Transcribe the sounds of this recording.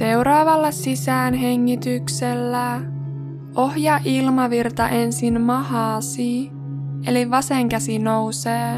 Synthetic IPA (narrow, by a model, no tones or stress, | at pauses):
se̞wɾɑːʋɑlːɑsisæːnɦe̞ŋːit̪ykselːæ | o̞hjɑʔilmɑʋirt̪ɑʔe̞nsinmɑhɑːsi | eliʋɑseŋkæsinowseː